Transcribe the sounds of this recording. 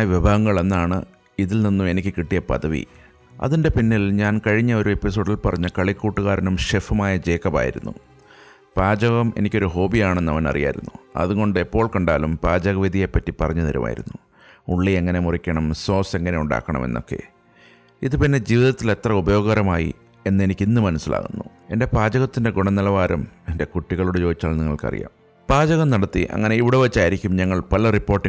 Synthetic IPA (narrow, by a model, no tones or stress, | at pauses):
ʋjiɐbʱaːɣɐŋːɐɭe̞nːaːɳɨ̰ | iðilninːume̞nikʲːɨkiʈːijɐpɐ̰ðɐʋḭ | ɐ̰ðinde̞pinːilɲaːnkɐɻiɲːɐo̞ɾue̞pːis̬o̞ːɖilpɐrɐɲːɐkɐɭikːuːʈːuɣaːɾɐnumʂefumaːjɐd͡ʑe̞ːkːɐba̰ːjḭɾunːṵ | b̥aːd͡ʑɐɣɐme̞̰nikʲːoɾuɦo̞ːbijaːɳe̞nːɐʋɐnɐ̰rija̰ːiɾṵnːuɐ̰ðuɣo̞ɳɖɨepːo̞ːɭkɐɳɖaːlumpaːd͡ʑɐɣɐʋid̪ʱijepːɐtːipɐrɐɲːɐðɐɾṵma̰ːjḭɾṵnːu | uɭːieŋːɐne̞murikʲːɐɳɐmso̞ːse̞ŋːɐne̞uɳɖa̰ːkːɐɳɐ̰me̞̰nːo̞̰kːe̞̰ | iðupinːe̞d͡ʑiːʋiðɐt̪ːile̞t̪rɐubɐjo̞ːɡɐɣɐɾɐmaːjḭ | e̞nːɨe̞nikʲːinːɨmɐnɐsːila̰ːɣunːṵ | e̞nde̞paːd͡ʑɐɣɐt̪ːinde̞ɡuɳɐnilɐʋaːɾɐmende̞kuʈːiɣɐɭuɽet͡ɕo̞ːit͡ɕːaːɭniŋːɐɭkɐ̰rḭja̰ːm | paːd͡ʑɐɣɐmnɐɽɐt̪ːḭʔɐ̰ŋːɐne̞iʋiɽeʋɐt͡ɕːaːjiɾikʲːumɲɐŋːɐɭpɐlɐripːo̞ːrʈːi